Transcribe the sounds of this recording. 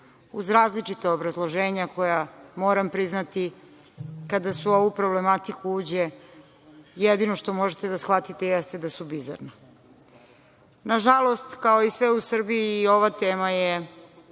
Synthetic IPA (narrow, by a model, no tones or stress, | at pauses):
uzɾaːzlit͡ʂit̪aobɾazlˠoʒeːɲako̞jamoːɾampɾiznat̪i | kad̪asuo̞ʋupɾo̞blemat̪ikuuːd͡ʑe | jed̪ino̞ʃt̪o̞moʒet̪ed̪asxʋat̪it̪ejɛst̪e̞d̪asubiza̰ɾna | naʒalo̞st̪kaoisʋeusr̩biiːo̞ʋat̪eːmaje